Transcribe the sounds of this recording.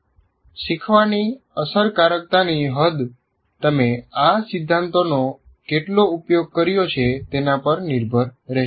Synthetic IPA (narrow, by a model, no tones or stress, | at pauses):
ʃikʰʋani | əsəɾkaɾək̚t̪aniɦəd̪ | t̪əmeasɪd̪ʱːãnt̪ono | keʈloupjoɡ̚kəɾjot͡ʃʰet̪enapəɾniɾbʱəɾːe